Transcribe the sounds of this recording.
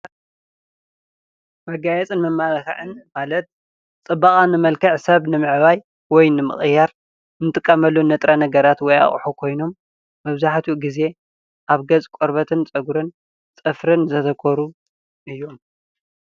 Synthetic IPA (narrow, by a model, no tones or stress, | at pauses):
mɐɡajɛt͡sʼɨnmɐmːalɐxɐ̰ʕɨnmalɐt̪̚ | t͡sʼɨbːaχʼanɨmɐlkʰɐʕsɐβnɨmɨʕβaj | wɔjnɨmɨ̰χʼɨjaɾ | nɨt̪ʼɨkʼːɐmɐlːunɐt̪ʼɾanɐɡɐɾat̪wɔja̰χʼħukʰo̞jno̞mː | ɐβzaħt̪ʰuɡize̞ | ʔaβɡɐzʼkʷʼɔɾbɐt̪ʰɨnt͡sʼɐɡuɾɨn | t͡sʼɨfɾɨnzɐt̪ʰɐkʰoɾu | ʔɨjːom